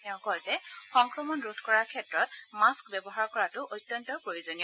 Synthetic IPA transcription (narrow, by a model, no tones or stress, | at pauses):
tɛʊ̃kɔjzɛxɔŋkɹɔmɔnɹudʰʱkɔɹaɹkʰɛtɹɔtmaskbɛbɔɦaɹkɔɹatʊʔotːjɔntɔpɹojuzonijɔ